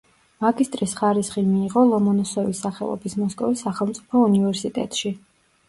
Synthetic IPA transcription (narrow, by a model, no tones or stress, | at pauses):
maɡist̪ʼɾisχaɾisχimiːʁɔlˠɔmɔnɔsɔvisːaχɛ̰lˠɔ̰bismɔskʼɔvisːaχɛlˠmt̪sʼipʰɔunivɛɾsit̪ʼɛ̰t̪ʼʃi